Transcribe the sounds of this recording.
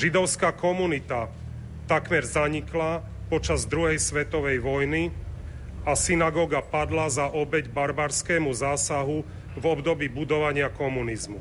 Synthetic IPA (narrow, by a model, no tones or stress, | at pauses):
ʒid̪ɔʊskakɔmunit̪a | t̪akmɛɾzaɲikla | pɔt͡ʃazd̪ɾuɦɛjsʋɛt̪ɔʋɛjʋɔjni | asinaɡɔːɡapad̪lazaʔɔbɛɟbaɾbaɾskɛːmuzaːsaɦu | vɔbd̪ɔbiːbud̪ɔʋaɲɪakɔmunizmu